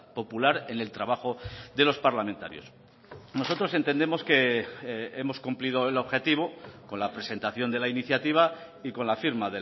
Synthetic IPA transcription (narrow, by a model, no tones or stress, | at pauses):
po̞pulaɾe̞ne̞lt̪ɾaβ̞axo̞ðe̞lo̞spaɾlament̪aɾjo̞s | no̞so̞t̪ɾo̞s̬e̞nt̪end̪emo̞ske̞ | e̞mo̞skumplið̞o̞elo̞βxe̞t̪iβ̞oko̞nlapɾe̞se̞nt̪aθjo̞nd̪e̞lainiθjat̪iβ̞a | iko̞nlafiɾmaðe